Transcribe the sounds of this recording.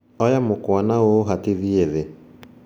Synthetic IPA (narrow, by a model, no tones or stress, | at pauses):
ɔjamokwanaoːɦatiðieðe